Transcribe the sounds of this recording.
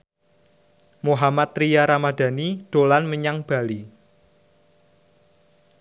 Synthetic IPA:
moɦamat̪ɾijaɾamad̥a̤nid̥o̤lanməɲaŋb̥a̤li

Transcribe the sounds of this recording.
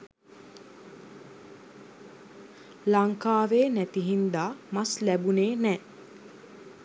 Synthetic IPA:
laŋkaːʋeːnæt̪iɦind̪aːmaslæbuneːnɛː

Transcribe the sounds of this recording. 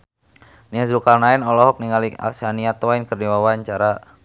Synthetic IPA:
niazulkalnaɛnɔlɔɦɔk̚niŋalia̰saniat̪ɔainkərniwawaɲt͡ʃaɾa

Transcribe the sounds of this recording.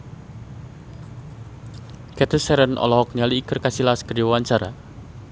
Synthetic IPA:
kɛt̪əsɛɾənʔɔ̰lɔhɔk̚ɲaliːkərkasilaskərdiwawaɲt͡ʃaɾa̰

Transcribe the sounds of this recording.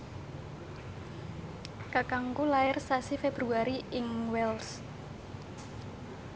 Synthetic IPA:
kakaŋkulaɪrsasifeb̥ɾuaɾiɪŋwɛls

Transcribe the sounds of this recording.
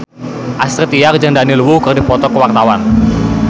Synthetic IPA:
ʔast̪ɾət̪ijak̚d͡ʒəŋdanilwukərdipɔt̪ɔkəwak̚t̪awan

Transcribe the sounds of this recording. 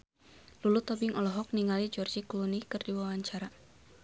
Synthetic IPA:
lulut̪ɔbɪŋɔlɔɦɔk̚niŋalid͡ʒɔrd͡ʒiklunikɨrdiwawaɲt͡ʃaɾa

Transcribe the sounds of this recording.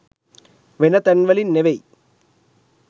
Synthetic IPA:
ʋɛnɐt̪ɐnʋɐlɪnːɛʋɐj

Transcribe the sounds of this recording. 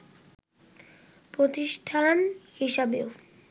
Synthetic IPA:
pɾot̪iʃʈʰanhiʃebeo

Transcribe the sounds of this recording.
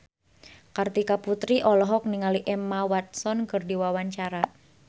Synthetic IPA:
kart̪ikaput̪ɾiʔɔlɔɦɔk̚niŋaliʔɛmawat̪̚sɔnkərdiwawaɲt͡ʃaɾa

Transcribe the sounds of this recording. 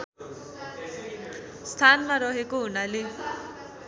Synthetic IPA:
st̪ʰanmaɾʌɦekoɦunale

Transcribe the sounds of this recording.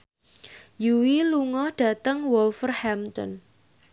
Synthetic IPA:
juwiluŋɔhɖ̥ä̤t̪əŋwɔlfərhamt̪ɔ̰n

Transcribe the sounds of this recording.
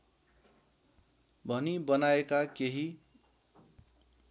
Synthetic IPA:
bʱʌnibʌnaekakeɦi

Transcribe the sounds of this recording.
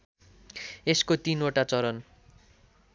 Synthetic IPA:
eskot̪inoʈat͡sʌɾʌn

